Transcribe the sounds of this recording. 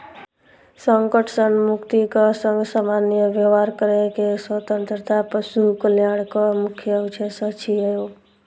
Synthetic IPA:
səŋkəʈʰsənmukt̪ikəsəŋɡsamanjəʋjəʋaɾkəɾekeswət̪ə̃nt̪ɾət̪ʰapəsukəljaɽkəmukʰjəʋt͡ʃʰəsət͡ʃʰiəjo

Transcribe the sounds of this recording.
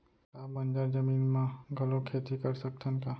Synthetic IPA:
kabənd͡ʒaɾd͡ʒəmiːnmãɡʱəlokʰet̪ikəɾsək̚t̪ʰənka

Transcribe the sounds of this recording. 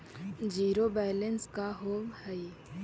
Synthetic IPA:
d͡ʒiːɾobɛːlənskaɦoːmhɛi

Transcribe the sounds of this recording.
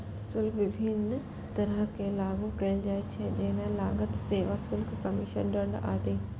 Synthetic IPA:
sʊlkʰʋɪbʱɪn | t̪ɐɾəɦkelaːɡũkɐɪld͡ʒaːet͡ʃʰɛ̃d͡ʒɪnə̃laːɡət̪seːʋasʊlkʰkɐmɪʃə̰nɖɐ̃ɳɖa̰ːt̪eː

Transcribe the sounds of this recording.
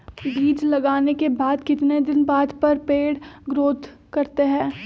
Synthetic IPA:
biːd͡ʒlɐɡaːnekebaːd̪kɪt̪ned̪ɪnbaːd̪pɐɾpeːɽɡɾoːd̪ | kɐɾt̪eɦɛ̃ː

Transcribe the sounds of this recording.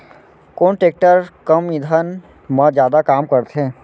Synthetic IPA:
koːɳʈeːk̚ʈəɾkəmĩd̪ʱən | məd͡ʒjaːd̪akaːmkəɾt̪ʰẽː

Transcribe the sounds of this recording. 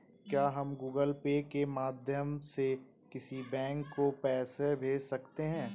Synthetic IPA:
kjaːɦɐmɡuːɡəlpeːkemaːd̪ʱjəmse | kɪsibɛ̃ːŋkːopɛːsebʱeːd͡ʒsɐkt̪eɦɛ̃ː

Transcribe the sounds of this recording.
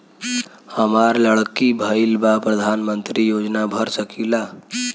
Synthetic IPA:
həmaɾləɽkibʱəilbapɾəd̪ʱaːnmənt̪ɾijoːd͡ʒnabʱəɾsəkila

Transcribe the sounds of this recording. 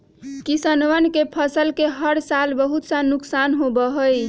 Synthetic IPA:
kisənʋənkepʰəsəlkeɦəɽsalbəɦut̪sanːuksanɦobəɦəj

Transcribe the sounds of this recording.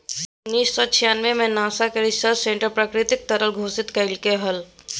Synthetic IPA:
ʊnːiːssɔt͡ʃʰijaːnʋemẽnaːsakeɾɪsəɾsẽɳʈəɾpɾakɾɪt̪ɪk̚t̪ɐɾəlɡʱoːsɪt̪kɐɪlkeɦəl

